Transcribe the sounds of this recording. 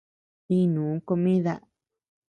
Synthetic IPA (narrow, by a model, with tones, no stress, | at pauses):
ĩ˦nũː˨˦ko˧mĩ˦ða̰˦